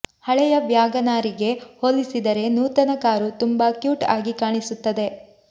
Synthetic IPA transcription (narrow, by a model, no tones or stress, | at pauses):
hɐɭɛjɐbjaːɡɐnaːɾiɡe̞holːisid̪ɐɾe̞nuːt̪ɐnɐkaːɾut̪umbɐkjuːʈa̰ːɡikaːɳisut̪ːɐd̪e̞